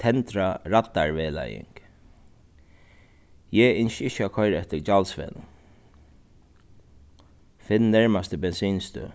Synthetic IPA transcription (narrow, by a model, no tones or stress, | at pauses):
t̪ʰɛnt̪ɾaɾat̪ːaɹʋɛːla̰jɪ̰ŋk | jɛɪnʃɪʃakʰɔʏɾɛt̪əɾd͡ʒalsʋɛ̰n | fɪnnæɹmast̪əbɛnsiːnst̪œ̰